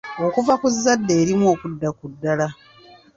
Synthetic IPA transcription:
o̞kuvakuzːadːe̞ːɾimuo̞ːkudːakudːala

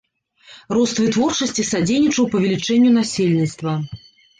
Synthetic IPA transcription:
rɔst̪vɨt̪vɔrt͡ʂɐsʲt͡sʲisad͡zʲejnʲit͡ʂɐwpɐvʲɛlʲit͡ʂɛnʲːunasʲelʲnʲit̪st̪vɐ

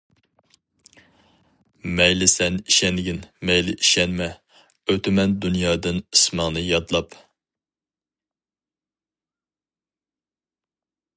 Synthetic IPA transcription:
mɛjlɪsɛniʃɛnɡʲinmɛjlɪ̰ʔiʃɛnmɛ | øt̪ʰɪmɛnd̪unjɑːd̪ɨnismɑŋnɨjɑd̪lˠɑp

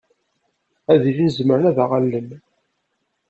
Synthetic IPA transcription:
æðifinzməɾənæðæʁalːəm

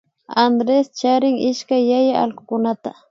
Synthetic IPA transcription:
and̪ɾest͡ʃaɾɪŋɪʃkajːajaɑ̰lɢʊ̥kʊnat̪a̰

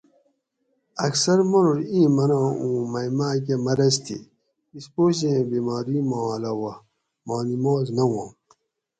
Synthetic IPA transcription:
ɐksɐɾmɐnuɾĩːmɐnãːũːmɐjmaːk̬emɐɾɐst̪ʰḭ | ispoːɕ̬ẽbimaːɾimãːlɐwɐ | maːnimoːznɐwãːm

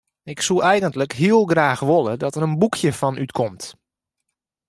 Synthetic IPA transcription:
ɪksuɛjɣəntləkɦiəlˠɡraːxʋolˠədɔtəɾənbukʰjəfɔnʔytkʰɔmt

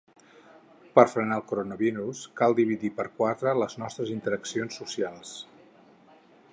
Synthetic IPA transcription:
pəɾfɾənaːlˠkuɾonəβiɾuskalˠd̪iβ̞iðipəɾkwat̪ɾələznɔst̪ɾəzint̪əɾəksionsːusialˠs

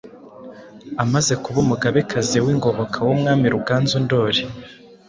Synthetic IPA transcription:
amaze̞kuβumuɡaβekazewiːŋɡo̞βo̞kʰawomŋaːmiɾubɡaːnzondo̞ɾi

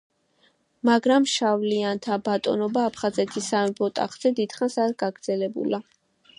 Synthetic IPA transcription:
maɡɾamʃavliant̪ʰabat̪ʼɔ̰nɔbaːpʰχazɛt̪ʰisambɔt̪ʼa̰χz̥ɛd̪id̪̥χansaɾɡaɡɾd̪z̥ɛlɛbṵla

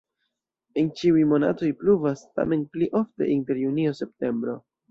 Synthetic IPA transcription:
e̞nt͡ʃiujmo̞na̰to̞jpluvasta̰me̞npliʔo̞fteʔinte̞ɾjunio̞se̞p̚te̞mbɾo̞

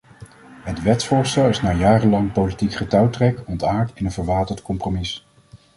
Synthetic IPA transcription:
ɦətʋɛtsfʊːɹstɛlˠɪsnaːjaːrənlɑŋpowlitikχətɑwtrɛkɔntaːɹtɪnənvəɹʋaːtəɹtkɔmpromɪs

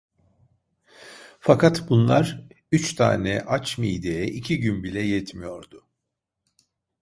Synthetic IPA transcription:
fakʰat̪bunlˠaɾ | yt͡ʃt̪ʰa̰ːnɛʔat͡ʃmiːd̪ejɛʔicʰiɟynbilʲɛjɛt̪mijo̞ɾd̪ʊ

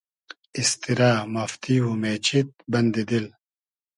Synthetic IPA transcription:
ist̪iɾaːmɐft̪iɦumeːt͡ɕit̪̚bɐnd̪id̪il

